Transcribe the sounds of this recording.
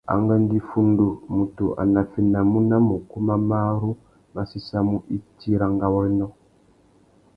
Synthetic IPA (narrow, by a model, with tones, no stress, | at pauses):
a̰˨ŋɡa˦ndi˦fu˦ndu˨mu˨tu˨ʔa̰˨na˨fi˦na˨mu˦na˦mu˨ku˦ma˦ma˦ɾu˦ | ma˦si˦sa˦mu˦ʔi˦tʰi˦ɾa˨ŋɡa˦wɔ˦nɔ˦